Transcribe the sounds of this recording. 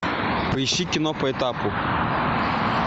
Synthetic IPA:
pɐiʃikʲɪnɔpɐɛt̪apʊ

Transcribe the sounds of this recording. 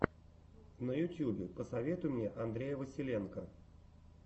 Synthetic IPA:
nəjʊtʲjubʲɪpəsɐvʲe̞t̪ʊjmnʲeʔɐnd̪ɾʲejəvəsʲɪlʲe̞nkə

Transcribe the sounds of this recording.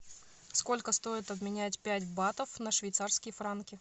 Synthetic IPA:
sko̞lʲkəst̪o̞ɪt̪ɐbmʲɪnʲætʲpʲætʲbat̪əfnəʂvʲɪjt̪sarskʲɪjəfɾankʲɪ

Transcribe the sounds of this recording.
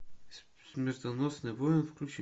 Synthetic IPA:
smɛɾt̪ɐnɔsnɛvɔɛnfklʲut͡ʃi

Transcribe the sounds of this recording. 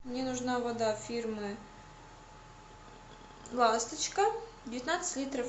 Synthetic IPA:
nʲenʊʐnɑvɐd̪afʲirmɨ | lˠɑst̪ɪt͡ɕkɐd̪ʲɪvʲjt̪nat̪sə̥tʲlʲit̪ɾɐf

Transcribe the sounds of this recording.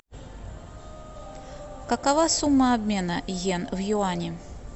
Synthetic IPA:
kəkɐvasumːəɐbmʲe̞nəjenvjʊanʲɪ

